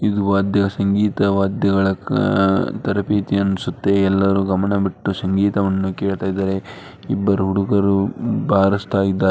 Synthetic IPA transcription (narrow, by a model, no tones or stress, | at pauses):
id̪uʋaːd̪jɐɡɐsɐŋɡiːt̪ɐʋaːd̪jɐɡɐɭɐ | t̪ɐɾɐpiːt̪iɐnːusut̪ːeɛlːɐɾuːɡɐmɐɳɐbiʈːusɐŋɡiːt̪ɐʋɐnːukeːɭt̪aːjid̪aːɾe̞ | ibːɐɾuɦuɽukɐɾubʱaːɾɐst̪ʰaːjid̪ːaːe